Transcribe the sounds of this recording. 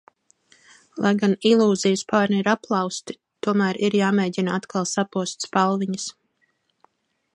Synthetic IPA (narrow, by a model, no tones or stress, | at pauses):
lˠʔajɡanilˠuːzijəspaːɾnɛiɾaplˠɑwst̪i̥ | t̪uɔmæːɾiɾjaːmeːɟʲinaat̪kʰalˠsapuɔst̪spalˠviɲəs